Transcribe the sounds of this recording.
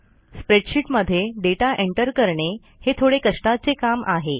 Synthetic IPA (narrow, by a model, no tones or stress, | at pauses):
spɾeʈɕiːʈməd̪ʱːjeɖeʈaʔeɳʈəɾkəɾɳe | het̪ʰoɽekəʂʈat͡sekamʔa̰ɦe